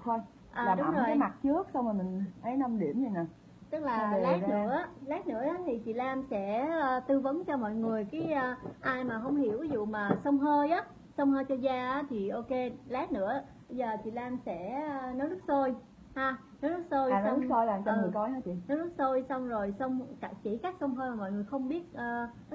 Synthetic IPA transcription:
t̪ʰo˧j | ʔəː˨aː˨˩ɗʊ˦˨˦zo˨˩kːa˨jjma˨˩t̚t͡ɕɨ˦˥ək̚sa˧wŋ͡maː˨˩mï˨˩ŋ̟ʔə˨˦jna˧mɗḭ˧˩əmɲi˧˦naː˨˩ | t̪ɨ˦˥k̚laː˨˩˨la˨˦nɨ̰˧˥ə˦lɛ˨˦˥tnɨ̰˧˥əɗa˨˦t̪ʰi˨˩t͡ɕḭ˧˨laː˧msɛ̰˧˥əː˧t̪ɨ˧və˨˦nt͡ɕɔ˧mɔ̰˧˨jŋɨ˨˩əjkaː˨˦jʔəː˧ʔaː˧jmaː˨˩ɦə˧wŋ͡mhi˧˩əwvi˨˦zṵ˧˨maː˨˩sə˧wŋ͡mɦəː˧jʔaː˨˦ | sə˧wŋ͡mhəː˧jt͡ɕɔ˧zaː˧ʔaː˨˦t̪ʰi˨˩ʔo˧ke˧lɛ˨˦˥nɨ̰˧˥əʔ | ɓə˧jzəː˨˩t͡ɕḭ˧˨laː˧msɛ̰˧˥˧nɔ˨˦lɨ˦˥k̚so˧j | haː˧ | nɔ˨˦lɨ˦˥k̚so˧jsn˧˦w̚so˧jlaː˨˩mt͡ɕɔ˧ɨ˨˩˨kɔ˨˦jha˨˦t͡ɕḭ˧˨nɔ˨˦wlɨ˦˥k̚so˧jsa˧wŋ͡mzo˨˩jsə˧wŋ͡mka˧˩t͡ɕi˧˩kaː˦˥k̚sə˧wŋ͡mɦəː˧jmaː˨˩mɔ̰˧˨jŋɨ˨˩əjxə˧wŋ͡mɓi˦˥ət̚ʔəː˧˦

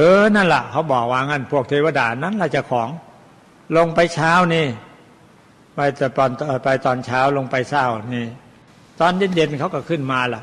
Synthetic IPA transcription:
ʔɤː˧˦na˧˥˩nla̰˨˩kʰa˧˦˥wbɔː˨˩k̚waː˧ŋa˧˥˩npʰu˥˩ək̚t̪ʰeː˧wa˧˨daː˧˩na˧˥˨nlaː˧˩t͡ɕa˨˩kʰɔː˩˦ŋ | lo˧ŋpa˧jt͡ɕʰaː˦˥˨wniː˧˩ | pa˧t̪ːpɔː˧nː˧˩pa˧jt̪ɔː˧nt͡ɕʰaː˦˥wlo˧ŋpa˧jsa˧˩wniː˧˩ | t̪ɔː˧ndiː˧˥˩nje˧nkʰa˧˥wka˧˩kʰɯ˧˥˩nmaː˧la˨˩ʔ

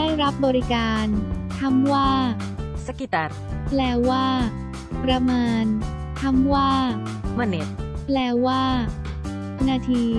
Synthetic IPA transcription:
daː˥˩jɾa˦˥p̚bɔː˧ɾi˦kaː˧nt̪ʰa˥˩mwaː˥˩ | sa˧˥ki˧t̪a˧ɾplɛː˧waː˥˩ | pɾa˧mɤː˧n | t̪ʰa˥˩mwaː˥˩ | ma˧ne˦˥t̪̚plɛː˧waː˥˩ | naː˧t̪ʰiː˧

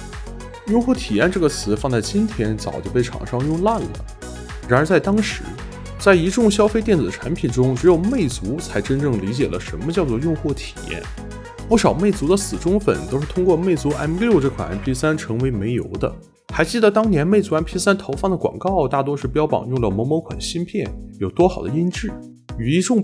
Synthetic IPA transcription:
jʊ˥˧ŋxwɔ˥˩t̪ʰi˨˩jɛ˥˧nʈ͡ʂɤ˥˩ɡə˩t͡sʰɹ̩˧˥fɑ˥˧t͡sa˥˩ɪt͡ɕi˥nt̪ʰjɛ˥nt͡sɑ˨˩ʊt͡ɕjo˥˧ʊp̬e˥˩ɪʈ͡ʂʰɑ̰˨˩ŋʂɑ˥ŋjʊ˥˧ŋla˥˩nlə̰˩ | ɻa˧˥nə˞˧˥t͡sa˥˩ɪt̪ɑ˥ŋʂɻ̩˧˥ | t͡sa˥˩ɪi˧˥ʈ͡ʂʊ˥˩ŋɕjɑ˥ʊfe˥ɪt̪jɛ˥˩nt͡sɹ̩˨˩ə˩ʈ͡ʂʰa˧˥npʰi˨˩nʈ͡ʂʊ˥ŋʈ͡ʂɻ̩˧˥jo˨˩ʊme˥˩ɪt͡su˧˥t͡sʰa˧˥ɪʈ͡ʂə˥nʈ͡ʂɤ˥˩ŋli˧˥t͡ɕjɛ˨˩lə˦ʂə̰˧˥nmə˧t͡ɕjɑ˥˧ʊt͡swɔ˥˧jʊ˥˧ŋxwɔ˥˩t̪ʰi̥˨˩jɛ̰˥˩n | pu˥˩ʂɑ˨˩ʊme˥˩ɪt͡su˧˥d̪ə˧sɹ̩˨˩ʈ͡ʂʊ˥ŋfə̰˨˩nt̪o˥ʊʂɻ̩˥˩t̪ʰʊ˥ŋkwɔ˥˧me˥˩ɪt͡su˧˥ʔa̰˥n˥lo˥˧ʊʈ͡ʂɤ˥˩kʰwa̰˨˩na̰˧˥npʰi˥sa˥nʈ͡ʂʰɤ˧˥ŋwe˧˥ɪme˧˥ɪjo̰˧˥ʊd̪ə̰˧ | xa˧˥ɪt͡ɕi˥˩d̪ə˧˥t̪ɑ˥ŋnjɛ˧˥nme˥˩ɪt͡su˧˥a˥npʰi˥sa˥nt̪ʰo˧˥ʊfɑ˥˩d̪ə˩kwɑ̰˨˩ŋkɑ˥˧ʊt̪a˥˩t̪wɔ˥ʂɻ̩˥˩pjɑ˥ʊpɑ̰˨˩ŋjʊ˥˩ŋlə˩mɔ˧˥mɔ˧˥kʰwa̰˨˩nɕi˥npʰjɛ˥˩njo˨˩ʊt̪wɔ˥xɑ˨˩ʊd̪ə̰˦i˥nʈ͡ʂɻ̩˥˩ | y˨˩i˧˥ʈ͡ʂʊ˥˧ŋ

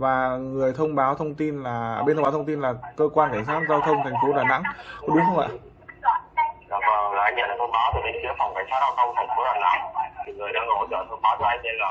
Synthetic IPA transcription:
vaː˨˩ŋɨ˨˩əjt̪ʰə˧wŋ͡mɓaː˨˦wt̪ʰə˧wŋ͡mt̪i˧nlaː˨˩e˧t̪ʰŋ͡mɓa˨˦t̪ʰə˧ŋ͡mt̪i˧nlaː˨˩kəː˧kwaː˧nka˧˩jŋsaː˦˥t̚zaː˧wt̪ʰə˧wŋ͡mt̪ʰa˨˩j̟fo˨˦ɗaː˧˩na̰˧˥ŋ˨˦˥ɗʊ˨˦ŋ͡mxʰə˧ŋ͡mʔa̰ː˧˨ | ɗaː˨˩vəː˨˩˨laː˨ʔa˧ŋɲə̰˧˩laː˨˩ə˧ŋ͡mɓaː˨˦wt̪ʰi˨˩ɗe˨˦nt͡ɕɨ˨˦əfa˨˩wŋ͡mkaː˧˩jsaː˦˥t̚zaː˧t̪ʰə˧wŋ͡mfʰə˨˩ŋ͡mfo˨˦ɗaː˨˩na̰ː˧˩t̪ʰi˨˩ŋɨ˨˩əjɗaː˧ŋo˧˩˦t͡ɕəː˧˩t̪ʰə˧wŋ͡mɓaː˨˦wt͡ɕɔ˧˦ʔa˧ŋse˧əː˨˩

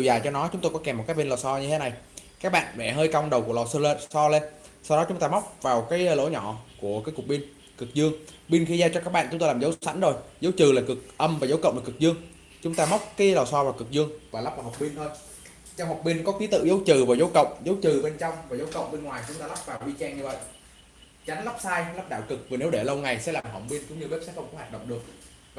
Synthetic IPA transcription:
ɗi˨˩wzaː˨˩jt͡ɕɔ˧nɔ˨˦t͡ɕʊ˨˦ŋ͡mt̪o˧jkɔ˨˦kɛ˨˩m̚ː˨˩kaː˦˥ɓnlɔː˨˩sɔ˧ɲɨ˧t̪ʰe˨˦na˨˩jkaː˦˥k̚ɓa̰ː˧˨nvɛ̰˧˩ɦəː˧jka˧wŋ͡mɗə˨˩wku˨˩lɔ˨˩sɨ˧le˧sɔ˧le˧n | sa˧wɗɔ˨˦t͡ɕʊ˨˦ŋ͡mt̪aː˧ma˦˥wk͡p̚vaː˨˩wkaː˨˦jlo̰˧˥ɲɔ˧˨ku˧˩əkaː˨˦jkk̚ɓi˧n | kɨ˨˩k̚zɨ˧əŋ | ɓi˧nxi˧zaː˧t͡ɕɔ˧kaː˦˥k̚ɓa̰ː˧˨t͡ɕŋ͡mt̪o˧laː˨˩zə˨˦wsa˨˦jŋ̟zo˨˩jzə˨˦wt͡ɕɨ˨˩laː˨˩kɨ˨˩k̚ʔə˧mvaː˨˩zə˨˦wkə̰˧˨ŋ͡mɗɨ˨˩kɨ˨˩k̚zɨ˧əŋ | t͡ɕʊ˨˦ŋ͡mt̪aː˧ma˦˥wk͡p̚kaː˨˦lɔː˨˩sɔː˧vaː˨˩kɨ˨˩k̚zɨ˧əŋvaː˨˩la˦˥p̚vaː˨˩ha˨˩k͡p̚ɓi˧nt̪ʰo˧j | t͡ɕɔ˧wha˨˩k͡p̚ɓi˧nkɔ˨˦ki˨˦t̪ɨ̰˧˨zə˨˦wt͡ɕɨ˨˩vaː˨˩wzə˨˦wkə̰˧˨wŋ͡mzə˨˦wt͡ɕɨ˨˩ɓe˧nt͡ɕɔ˧wŋ͡mvaː˨˩zə˨˦wkə̰˧˨wŋ͡mɓe˧nŋwaː˨˩jt͡ɕʊ˨˦ŋ͡mt̪aː˧la˦˥p̚vaː˨˩wʔi˧t͡ɕɛ˧ŋɲɨ˧və̰˧˨jʔ | t͡ɕa˨˦ŋ̟la˦˥p̚saː˧jla˦˥p̚ɗa̰ː˧˩wkɨ˨˩k̚vi˨˩ne˨˦wɗe˧˩lə˧wŋa˨˩jsɛ̰˧˥laː˨˩mɦə˨˧˩ŋ͡mɓi˧ənkʊ̰˧˥ŋ͡mɲɨ˧ve˦˥p̚sɛ̰˧˥xə˧wŋ͡mkɔ˨˦waː˨˩t̚ɗə̰˧˨wŋ͡mɗɨ˨˩ək̚ | v

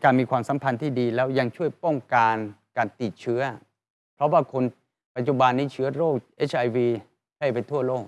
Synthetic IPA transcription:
kaː˧nmiː˧kʰwaː˧msa˨˩˦mpʰa˧nt̪ʰiː˥˩diː˧lɛː˦˥wja˧ŋt͡ɕʰu˥˩əjpɔ˥˩ŋkaː˧n | kaː˧nt̪iː˨˩t̪̚t͡ɕʰɯ˦˥ɐ | pʰɾɔ˦˥waː˥˩kʰo˧n | pa˨˩t̪̚t͡ɕu˨˧ba˧nːiː˦˥˩t͡ɕʰɯ˦˥ɐɾoː˥˩k̚ʔe˦˥t͡ɕʰʔa˧jwiː˧ | kʰla˥˩jpa˧jt̪ʰu˥˩ɐloː˥˩k̚

